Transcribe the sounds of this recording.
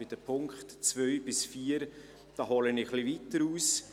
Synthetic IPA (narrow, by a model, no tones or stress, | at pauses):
ɪd̥əpʰʊŋkχtt͡svœʏbɪsfiːəɾ | d̥ɑːɦɔləniχlivitəɾuːs